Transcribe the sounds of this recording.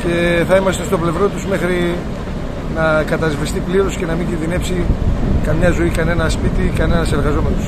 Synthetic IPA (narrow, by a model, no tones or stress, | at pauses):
ce̞θɐimɐst̪est̪ople̞vɾo̞t̪uzme̞xɾi | nɐkɐt̪ɐzvist̪ipliɾo̞sce̞nɐmiɲɟinðine̞psikɐmɲɐzo̞ikɐne̞nɐspit̪ikɐne̞nɐse̞ɾɣɐzo̞me̞nos